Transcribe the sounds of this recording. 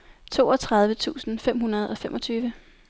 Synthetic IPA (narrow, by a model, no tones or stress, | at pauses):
t͡sʰo̝̰ːɒ̽t͡sʰʁɑ̈ð̞ˠʋət͡sʰṵːsn̩fem̰ɦunɐð̞̩ˠɒ̽femʔɒ̽t͡sʰyːʋə